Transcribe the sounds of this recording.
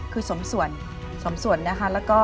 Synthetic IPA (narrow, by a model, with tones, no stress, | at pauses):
kʰɯː˧so˩˦msu˨˩ən | so˨˩˦msu˨˩˦ənːa˦˥kʰa˦˥lɛː˦˥wkɔː˥˩